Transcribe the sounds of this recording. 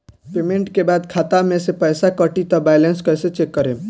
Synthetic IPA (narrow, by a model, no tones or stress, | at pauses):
pemeɳʈkebad̪kʰat̪amesepəjsakəʈit̪ɔbajlenskəjset͡ʃekːəɾe